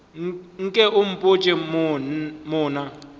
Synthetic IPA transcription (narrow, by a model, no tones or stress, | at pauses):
ŋ̩kʼɛʔum̩pʼot͡ʃʼɛ | mɔːna